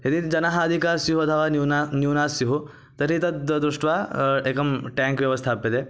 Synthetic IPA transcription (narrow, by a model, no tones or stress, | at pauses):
ɦed̪id͡ʒɐnaɦaːd̪ʱikaːɾsiɦuɐt̪ʰɐʋaːnanjunaːsiɦu | t̪ɐɾit̪ɐd̪ɾuʂʈʋaeːkɐmʈɛːŋkʋjɐʋɐst̪ʰaːpːed̪e